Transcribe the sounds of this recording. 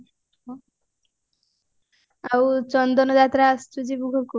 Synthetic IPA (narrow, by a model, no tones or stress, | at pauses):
awt͡ɕɔnd̪ɔnɔd̪at̪ɾaastud͡ʑibuɡʱoku